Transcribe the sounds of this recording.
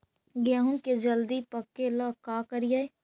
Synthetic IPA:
ɡaːɦũŋked͡ʒəld̪ipəkːeləkaːkəɾijae

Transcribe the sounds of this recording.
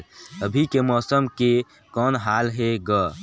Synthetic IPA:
əbʱikemɔːsəmke | kɔːnɦaːlɦeɡəː

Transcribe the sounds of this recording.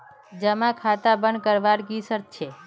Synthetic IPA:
d͡ʒəmãkʰat̪abən̚kəɾʋaɾɡisəɾt̪̚t͡ʃʰe

